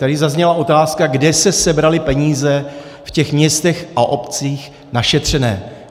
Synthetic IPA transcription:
t̪adɪzazɲɛlaʔo̞t̪aːskaɡdɛsɛsɛbɾalɪpɛɲiːzɛfcɛxmɲɛst̪ɛxʔaʔo̞pt͡siːx | naʃɛt̪r̝̥ɛnɛ̰ː

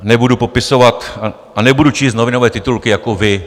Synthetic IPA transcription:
nɛbudupopɪsovat̪a | anɛbudut͡ʃiːst̪novɪnovɛːt̪ɪt̪ulkɪjakovɪ

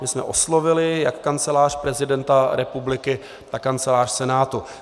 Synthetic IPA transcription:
mɪsmɛ̰ʔo̞slovɪlɪjakːant͡sɛlaːr̥pɾɛzɪdɛnt̪aɾɛpublɪkɪ | t̪akːant͡sɛlaːr̥sɛnaːt̪u

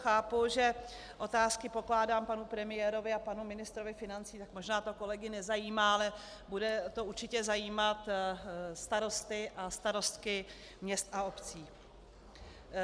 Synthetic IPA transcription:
xaːpuʒɛ | ʔo̞t̪aːskɪpo̞klaːdaːmpanupɾɛmɪjɛːɾo̞vɪapanumɪnɪst̪ɾo̞vɪfɪnant͡siːt̪akmo̞ʒnaːt̪o̞ko̞lɛɡɪnɛzajiːmaːalɛ | budɛt̪ouɾt͡ʃɪcɛzajiːmat̪ | st̪aɾo̞st̪ɪʔast̪aɾo̞st̪kɪ | mɲɛst̪ao̞pt͡siː

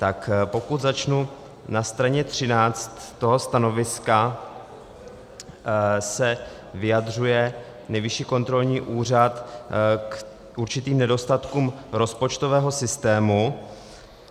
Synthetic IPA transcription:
t̪akpo̞kut̪zat͡ʃnu | nast̪ɾaɲɛt̪r̝̥ɪnaːt͡st̪ːo̞ɦo̞st̪ano̞vɪska | sɛ | vɪjad̪r̝ujɛ | nɛjvɪʃiːko̞nt̪ɾo̞lɲiːʔuːr̝at̪k | ʔuɾt͡ʃɪt̪iːmnɛdo̞st̪at̪kuːmɾo̞spot͡ʃt̪o̞vɛːɦo̞sɪst̪ɛːmu

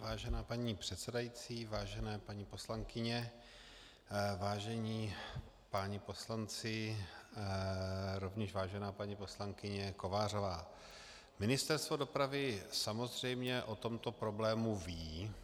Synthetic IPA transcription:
vaːʒɛnaːpaɲiːpr̥ɛt̪sɛdajit͡siːvaːʒɛnɛːpaɲiːpo̞slaŋkɪɲɛ | vaːʒɛɲiː | paɲɪpo̞slant͡sɪ | ɾo̞vɲɛʃvaːʒɛnaːpaɲiːpo̞slaŋkɪɲɛko̞vaːr̝o̞vaː | mɪnɪst̪ɛɾst̪vo̞do̞pɾavɪsamo̞zr̝ɛjmɲɛʔo̞t̪o̞mt̪o̞pɾo̞blɛːmuviː

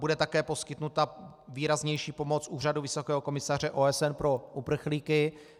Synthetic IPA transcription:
budɛt̪akɛːpo̞skɪt̪nut̪aviːɾazɲɛjʃiːpo̞mot͡sʔuːraduvɪso̞kɛːɦoko̞mɪsar̝ɛʔoːɛsɛnpɾo̞ʔupr̩xliːkɪ

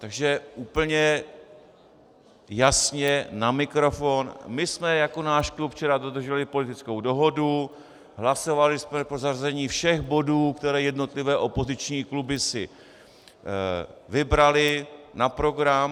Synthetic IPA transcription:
t̪aɡʒɛʔuːpl̩ɲɛ | jasɲɛnamɪkɾo̞fo̞nmɪsmɛjako̞naːʃklupft͡ʃɛɾadod̪r̩ʒɛlɪpo̞lɪt̪ɪt͡sko̞wdo̞ɦo̞du | ɦlaso̞valɪsmɛpɾozarzɛɲiːfʃɛxbo̞duːkt̪ɛɾɛːjɛdno̞t̪lɪvɛːʔo̞po̞zɪt͡ʃɲiːklubɪsɪ | vɪbɾalɪnapɾo̞ɡɾam

